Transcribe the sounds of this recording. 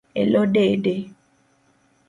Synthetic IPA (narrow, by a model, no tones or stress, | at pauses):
ḛlɔɖeɖe